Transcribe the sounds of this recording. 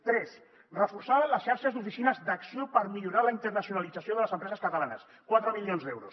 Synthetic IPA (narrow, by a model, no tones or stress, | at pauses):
t̪ɾɛs | rəfursaβənləsʃaɾʃəzd̪ufisinəzd̪əksiopəɾmiʎuɾaləint̪ərnəsiunalid͡zəsioðələzəmpɾɛzəskət̪əlanə̰s | kwat̪ɾəmilionzd̪ɛwɾṵs